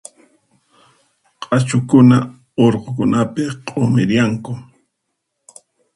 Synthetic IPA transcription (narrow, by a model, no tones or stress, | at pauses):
qʼat͡ʃʊkʊna | oɾqok̬ʊnapɪqʼomɪɾjaŋkʊ